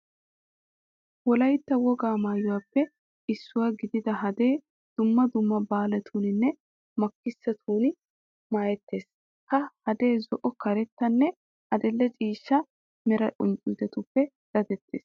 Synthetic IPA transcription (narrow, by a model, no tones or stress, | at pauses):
wɔlɐjt̪ːɐwɔɡaːmaːjʊwapːɛ | ʔɪsːʊwaɡɪd̪ɪd̪ɐɦɐd̪e̞ː | d̪̥ʊmːɐd̪ʊmːɐbaːlɐt̪ʰuːnɪnːɛ | mɐkːɪsːɐt̪ʰuːn | maːjɛt̪ːe̞ːs | kɐhɐd̪e̞ːzɔʔɔkɐɾɛt̪ːɐnːɛ | hɐd̪ɪlːɛt͡ʃʼiːʃːɐ | mɛɾɐʔʊnt͡ʃʼuːd̪ɛt̪ʊpːɛ | d̪̥ɐd̪ɛt̪ːḛːs